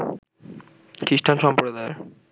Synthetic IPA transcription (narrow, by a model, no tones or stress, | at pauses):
kɾiʃʈʰanʃɔmpɾod̪ae